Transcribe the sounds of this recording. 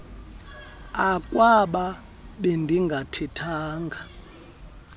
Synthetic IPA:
akʼwaɓa | ɓendʱiŋɡʱatʰitʰaːŋɡʱa

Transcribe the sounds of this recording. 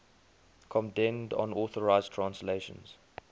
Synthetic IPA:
kʰɔ̃mdɛ̃ndɔ̰̃nɔθəɹaɪztʰɹ̥ãnsleɪʃə̰̃nz̥

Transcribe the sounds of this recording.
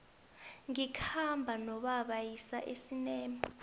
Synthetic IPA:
ŋikʰambʱanɔɓaɓajisa̰ʔesinɛːmi

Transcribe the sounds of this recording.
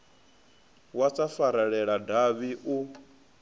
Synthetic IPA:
wat͡sʼafaɾaɺɛɺadaβiʔu

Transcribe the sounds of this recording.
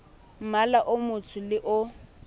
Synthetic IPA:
m̩malaʔʊmʊt͡sʰʊlɪʔʊ

